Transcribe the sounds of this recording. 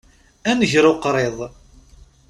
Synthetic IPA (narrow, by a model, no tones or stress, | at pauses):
ænəʝɾoqɾˤeðˤ